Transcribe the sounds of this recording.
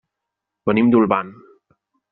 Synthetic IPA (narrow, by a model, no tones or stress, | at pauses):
bənimd̪ulban